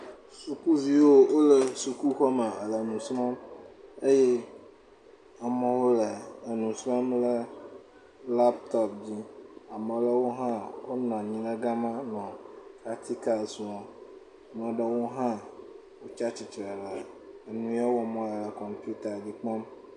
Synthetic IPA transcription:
su˨ku˦vi˨wo˦wo˦lə˨su˨ku˦xɔ˦mə˨ə˨lə˨nũ˨sɾɔ̃˦mə˦je˦ | a˨mə̃˨wo˦lə˨ə˨nũ˨sɾɔ̃˦mlə˦ | la˦pt̪ɔ˦pd͡ʑi˦a˨mə̃˨lə˦wo˦ɦã˦wo˦nã˨ɲĩ˨lə˦ɡa˦mã˦nɔ̃˨ka˨t̪ʰi˦ka˨sũ˨ɔ̃˨ | mə̃˨ɖə˦wo˦ɦã˦ | wo˦t͡ʃa˦t͡ɕi˨t̪ɾə˨lə˨ | nũ˨˦a˦wɔ˨mɔ̃˨lə˨lə˨kɔ˨mpu˦t̪a˨d͡ʑi˦k͡pɔ̃˦m

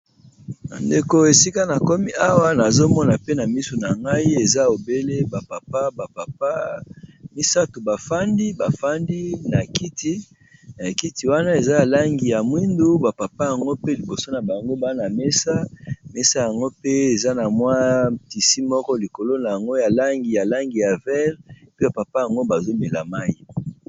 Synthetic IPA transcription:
na̰˨nde˨ko˦e˨si˦ka˦na˨kɔ˦mi˦ʔa˦wa˦na˨zo˦mɔ˦na˨pe˦na˨mi˦so˨na˨ŋɡa˦i˦e˨za˦o˨be˦le˦ba˨pa˨pa˦ba˨pa˨pa˦ | mi˦sa˦tu˨ba˨fa˦ndi˦ba˨fa˦ndi˦na˨ki˦ti˦ | na˨a˨ki˦ti˨wa˦na˦e˨za˦ja˨la˦ŋɡi˨ja˨mwi˦ndu˦ba˨pa˨pa˦ja˨ŋɡo˦pe˦li˨bo˨so˦na˨ba˨ŋɡo˦ba˦na˨me˦sa˦me˦sa˦ja˨ŋɡo˦pe˦e˨za˦na˨mwa˦ti˨si˦mɔ˦kɔ˦li˨ko˨lo˦na˨ja˨ŋɡo˦ja˨la˦ŋɡi˨ja˨la˦ŋɡi˨ja˨vɛ˦ʁe˨pi˦ba˨pa˨pa˦ja˨ŋɡo˦ba˨zo˦mbe˨la˨ma˦ji˦

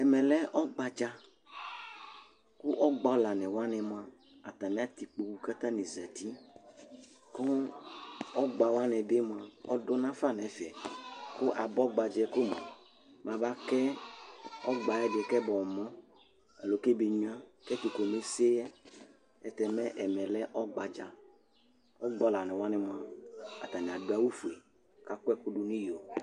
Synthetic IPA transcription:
ɛ˨mɛ̃˨lɛ˦ʔɔ˦ɡ͡ba˨d͡ʒa˦ | ku˦ʔɔ˦ɡ͡bɔ˦la˨nɛ̃˨wa˦nɛ̃˨mo˨˦ã˨ | a˨t̪a˨nɛ̃˦a˦t̪i˨k͡po˨wu˦ka˦t̪ã˦nɛ̃˨zɛ˨t̪i˦ | kɔ˦ | ɔ˦ɡ͡ba˨wa˦nɛ̃˨be˦mo˨a˨ɔ̰˦dɔ˦nã˦fa˦˨nɛ̃˨fɛ˨ku˦ʔa˨bɔ˦ɡ͡ba˨d͡ʒɛ˦ko˦mɔ̰̃˨ | m˨ã˨ba˦kɛ˦ | ɔ˦ɡ͡ba˨ɛ˦dɪ˨kɛ˦bɔ˨mɔ̃˦ | ɛ˨lo˨ke˦bi˨ɲu˦ã˦kɛ˦tu˨ko˨me˦se˦a˦ | ɛ̰˨tɛ˨mɛ̃˦ʔɛ˨mɛ˨lɛ˦ʔɔ˦ɡ͡ba˨d͡ʒa˨ | ɔ˦ɡ͡bɔ˦la˨nɛ̃˨wa˦nɪ˦mʊ̃˨a˨a̰˨ta˨ɲ˨a˨dʊ˨˦a˨wu˦fu˨e˨ | ka˨kʊ˦ɛ˦kʊ˦du˦nĩ˦jo˨

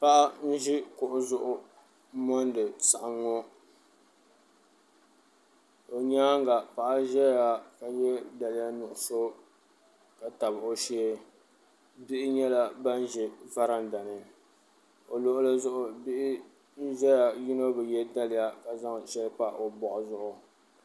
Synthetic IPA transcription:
pa˦ʔa˦n̩˦ʒi˦kʊ˨ʔʊ˦zʊ˦ʔʊ˦ | mɔ˦n˦dɨ˨sa˨ʔa˦˨ŋːɔ˦ | o˨ɲaː˦ŋ˦ɡa˨pa˨ʔa˦ʒɛ˦ja˨ka˨jɛ˦da˨lɪ˦ja˦nʊ˨ʔʊ˨so˦ | ka˨ta˨bo˦ʃi˦e˦ | bɪ˦ʔɪ˦ɲɛ˦la˦ba˦n˦ʒɛ˨va˦ɾa˦nda˨nɨ˨ | o˨lo˦ʔʊ˦lɨ˦zʊ˦ʔʊ˨bɪ˦ʔɪ˦ | n̩˦ʒɛ˦ja˨ji˦no˦bɨ˨jɛ˦da˦lɪ˨ja˦ka˨za˦ŋʃɛ˦lpa˦ʔo˨bɔ˨ʔʊ˨zʊ˦ʔʊ˨

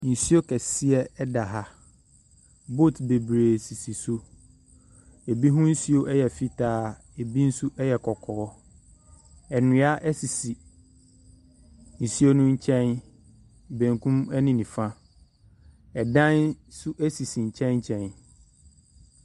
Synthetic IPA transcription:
n̩˨si˦o˦kʰɛ˨si˦ɛ˦ɛ˦da˨ɦa˦ | bo˦˨tbe˨bɾeː˨si˨si˨su˦ | e˨bi˦ɦʊ̃˦n̩˦si˦o˦ʔɛ˦jɛ˨fi˦tʰaː˦ | e˨bi˦n̩˦su˦ʔɛ˦jɛ˨kʰɔ˨kʰɔː˨ɔ˦ | ɛ˨nʊ̃˨˦a˦ʔɛ˦si˨si˨ | n̩˨si˦o˦nʊ̃˦ɲ̩˦t͡ɕʰɛ̃˦n | bæ̃˨ŋkʰũ˦mɛ˦nɪ̃˦nĩ˨fã˦ | ɛ˨dã˦nsu˦ʔɛ˦si˨si˨ɲ̩˨t͡ɕʰɛ̃˦nɲ˦t͡ɕʰɛ̃˨n

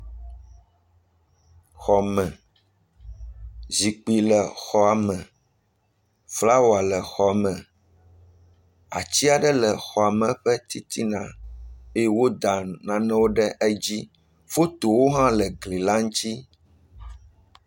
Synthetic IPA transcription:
xɔ˨mɛ̃˨ | zi˨k͡pi˨lɛ˨xɔ˦a˨mɛ̃˨ | fla˦wo˨a˨lɛ˨xɔ˨mɛ̃˨ | a̰˨t͡ɕi˦a˨ɖɛ˦lɛ˨xɔ˨a˨mɛ̃˨ɸɛ˦t̪i˦t̪ʰi˦nã˨e˦e˦wo˦d̪a˨nã˨nɛ̃˦wo˦ɖɛ˦ʔɛ˦d͡ʑi˦ | fo˦t̪o˨wo˦ɦã˦lɛ˨ɡli˨la˦ŋ̩˦t̪i˦

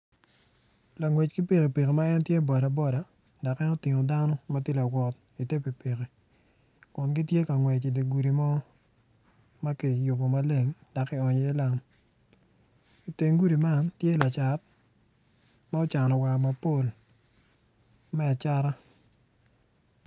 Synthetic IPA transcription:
la˨ŋwɛ˨t͡ʃki˦pe˨ke˨pe˨ke˨ma˦ɛ˦ntje˦bɔ˨ɾa˨bɔ˦da˨ | da˨kɛ˦nɔ˦ti˨ŋo˨da˦nɔ˦ma˦t̬je˦la˨ɡwɔ˨t̚ | i˨te˦pi˨pe˨ke˨ | kʊ˨nɡi˦tje˦ka˨ŋwɛ˨t͡ʃi˨de˨ɡu˨ɾi˨mɔ˦ | ma˦ki˨jʊ˨bo˨ma˦le˨ŋd̥a˨kːɪ˦˨ɔ˨ɲe˨e˦la˨m | i˨te˨ŋɡu˦ɾi˨ma˦ntje˦˨la˨t͡ʃa˨t̚ | ma˦o˦t͡ʃa˨nɔ˨wa˨kma˨po˦˨l | mɛ˦a˨t͡ʃa˦ɾa˦

